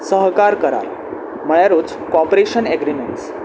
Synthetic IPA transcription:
səɦkaɾkəɾa̰l | m̤əɭjaɾoːt͡s | kɔpɾeɕənɛɡɾimeɳʈs

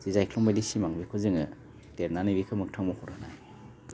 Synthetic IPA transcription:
zizajkʰlɔmbedisimaŋbikʰɯzɯŋɯ | teɾnanibikʰɯmɯk̚tʰaŋmɔhʰɔɾana̰j

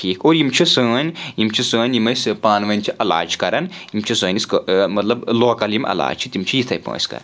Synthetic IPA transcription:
ʈʰiːkʰoːɾjimt͡ʃʰisəːnʲjimt͡ʃʰisə̃ːnʲjimɐspaːnʋɐnʲt͡ʃʰiʔɐla̰ːd͡ʒkɐɾɐnjimt͡ʃʰisəːniskmɐt̪lɐbloːkɐlimɐ̰la̰ːd͡ʒt͡ʃʰit̪imt͡ʃʰijit̪ʰɐjpə̰ːsʲkɐ̰ɾɐnn

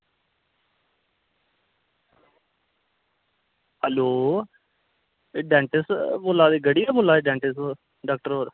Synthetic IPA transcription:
həloː | ɖɛ̃ːɳʈɪsboːlaːd̪eːɡəɽijaboːlaːd̪eɖɛ̃ːɳʈɪs | ɖaːkʈəɾoːɾ

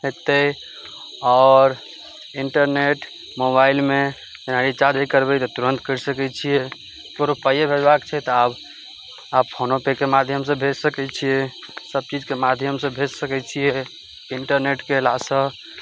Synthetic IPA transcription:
ɦet̪ə | ɔɾ | iɳʈəɾneʈ | mobailme | d͡ʒənaɾit͡ʃad͡ʒəkəɾbɛt̪ɔt̪uɾə̃nt̪kəɾsəkɛt͡ʃʰie | koɾupəjebʱed͡ʒbakt͡ʃʰɛt̪ɔab | appʰonopekemad̪ʱjəmsə̃bʱed͡ʒsəkɛt͡ʃʰije | səb̚t͡ʃid͡ʒkemad̪ʱjəmsẽbʱed͡ʒsəkɛt͡ʃʰie | iɳʈəɾneʈkelasə̃

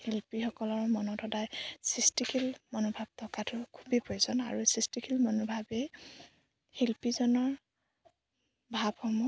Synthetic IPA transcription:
hilpixɔkɔlɔɹmɔnɔtʰɔdajsistikʰilmɔnubʱab̚tɔkatʊkʰubipojsɔna̰ɹusistikʰilmɔnubʱabɛ | hilpizɔnɔɹ | bʱabhɔmu

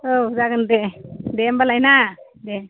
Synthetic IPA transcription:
od͡ʒaɡɯndedembalajna | de

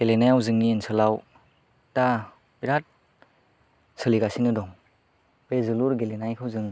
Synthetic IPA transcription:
ɡelenajawzɯŋniːnsɯlaw | ta | biɾat̚ | sɯliɡasinɯdɔŋ | bezɯluɾɡelenajkʰɯwzɯŋ

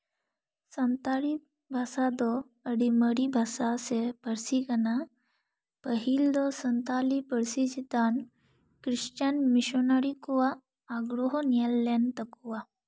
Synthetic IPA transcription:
sənt̪aɽi | bʱasad̪ɔ | əɽiməɽibʱasasepəɾsikəna | pəɦild̪ɔsənt̪alipəɾsid͡ʑit̪an | kɾiɕt͡ɕanmiɕɔnaɽikɔʋaː | ɡɽɔɦɔnjalːant̪əkʋa

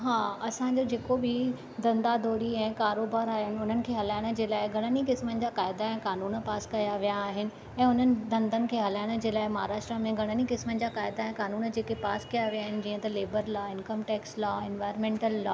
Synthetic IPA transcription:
ɦãːɐsãɲd͡ʑod͡ʑeːkobɪ | d̪ɐ̃nd̪ad̪ʱoːɾiɛ̃ːkaːɾoːbaːɾaːɦɪnɪ̆ʊn̤ənɪ̆kʰeːɦɐlaːɪɽ̃ə̆d͡ʑeːlaːɪɡʱɐɽ̃ənikɪsmənɪ̆d͡ʑaːkaːɪd̪aɛ̃kaːnuːnpaːskɐjaʋijaːɦɪnɪ̆ | ɛ̃ːʊn̤ənɪ̆d̪ɐ̃nd̪ʱənɪ̆kʰeːɦɐlaːɪɽ̃əd͡ʑeːlaːɪmɐɦaːɾaːʃʈɾəmẽɡʱɐɽ̃ənikɪsmənɪ̆d͡ʑakaːɪd̪aɛ̃kaːnuːnd͡ʑeːkepaːskijaʋiaːɦɪnɪ̆d͡ʑiːə̃t̪ɐleːbəɾlaːɪ̃nkəmʈɛːkslɔːɪnʋaːjɾnmẽːɳʈəlːɔː

